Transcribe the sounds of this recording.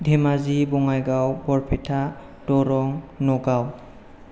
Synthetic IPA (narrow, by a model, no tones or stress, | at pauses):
dʱɛmazibɔŋajɡawbɔɹpʰɛtʰa | dɔɾɔŋnɔɡaw